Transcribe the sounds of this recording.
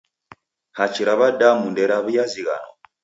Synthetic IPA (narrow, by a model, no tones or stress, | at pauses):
hat͡ʃiɾaβadamundɛɾaβujaziɣa̰nɔ̰